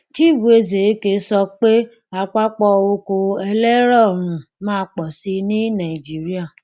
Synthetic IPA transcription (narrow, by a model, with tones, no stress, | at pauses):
ti˦˨bu˨e˧ze˨˦ke˧˦sɔ˧k͡pe˦ | a˧k͡pa˦k͡pɔ˧o˧ko˧ɛ˧lɛ˦ɾɔ˦˨ɾ̃ũ˨mãː˦˧k͡pɔ˨si˧nĩ˦nã˨i˨d͡ʒi˦ɾi˦a˦˨